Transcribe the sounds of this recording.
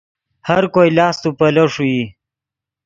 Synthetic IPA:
hɐɾkojlɑːst̪upɐlɐʂui

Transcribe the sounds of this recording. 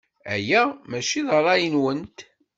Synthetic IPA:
æ̰jæmæʃiðˤəɾˤɑjənwənt̪

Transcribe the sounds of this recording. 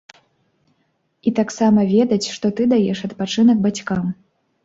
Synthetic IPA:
it̪aksamɐvʲɛd̪ɐt͡sʲʂt̪ɔt̪ɨd̪ajɛʂɐt̪pat͡ʂɨnɐɡ̚bat͡sʲkam

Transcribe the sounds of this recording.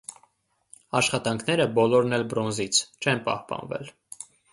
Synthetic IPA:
ɑʃχɑt̪ɑŋkʰn̪ɛɾəbɔlɔɾnɛlbɾɔnzit͡sʰt͡ʃʰɛnpɑ̰hpɑ̰nvɛ̰l

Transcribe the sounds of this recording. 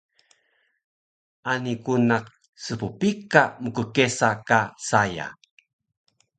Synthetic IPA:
ʔanikunak̚ | səpupikaməkəkesakasaja̰

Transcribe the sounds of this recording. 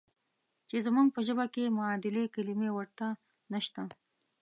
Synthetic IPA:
t͡ʃezmuŋɡ̚pəʒəbakemʊɑd̪ɪlekalimewəɾt̪a | nəʃt̪a

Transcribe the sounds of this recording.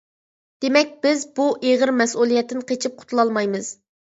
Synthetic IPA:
d̪̥emɛk̚ʲb̥ɪzbuʔeʁɨɾmɛsulˠijɛt̪ːɪnqʰet͡ʃʰip̚qʰʊ̥t̪ʰulˠɑlˠmɑjmɨz̥

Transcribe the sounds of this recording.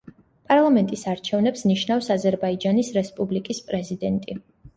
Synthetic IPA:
pʼaɾlˠamɛnt̪ʼisaɾt͡ʃʰɛvnɛpsniʃnafsazɛɾbaid͡ʒanisɾɛspʼublikʼispʼɾɛzid̪ɛnt̪ʼi

